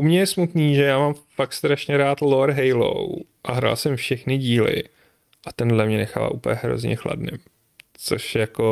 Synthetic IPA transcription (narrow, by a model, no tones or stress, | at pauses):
ʔumɲɛjɛsmut̪niːʒɛjaːmamfakst̪ɾaʃɲɛɾaːt̪loɾɦɛjlo̰wʔaɦɾa̰ːlsɛmfʃɛxnɪɟiːlɪ̰ | ʔat̪ɛndlɛmɲɛnɛxaːva̰ːʔupəjɛɦɾo̞̰zɲɛ̰xla̰dnɪ̰m | t͡so̞ʃjako